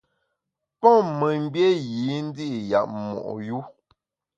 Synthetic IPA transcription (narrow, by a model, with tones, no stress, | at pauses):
pɔ˦mə˨m̩˦bje˦ji˨˦n̩˦di˦ʔja̰˨ʔ̚mɔ̰˨ʔju˦